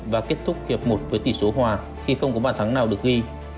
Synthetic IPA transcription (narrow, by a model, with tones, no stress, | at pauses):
vaː˨˩ke˦˥ət̚t̪ʰʊ˦˥k͡p̚hi˨˩əp̚mo˨˩t̚vəː˨˦jt̪i˧˩so˨˦ɦwaː˨˩ | xi˧xə˧wŋ͡mkɔ˨˦ɓaː˧˨nt̪ʰa˨˦ŋnaː˨˩wɗɨ˨˩ək̚ʔi˧